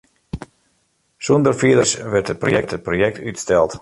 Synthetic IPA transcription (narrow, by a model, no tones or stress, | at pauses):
sundərfiədəsʋɛrthət̚pro̰jɛk̚tət̚projɛk̚tʰytstɛlˠt